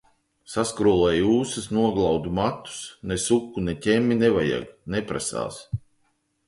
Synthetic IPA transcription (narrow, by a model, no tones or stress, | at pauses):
saskɾulˠɛjuːsɨsnuɔɡlˠawd̪umat̪ːu̥snesukːunetʲɛmʲːinevaja̰ɡnepɾasa̰ːs